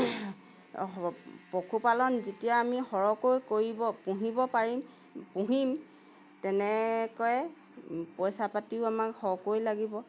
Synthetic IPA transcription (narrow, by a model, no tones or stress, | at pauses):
pokʰupalɔnzetijaːmihɔɹɔkojkoɹibɔpũɦibɔpaɹim | pũɦim | tɛnɛkɔjɛ | pɔjsapatiʊamakhɔkojlaɡibɔ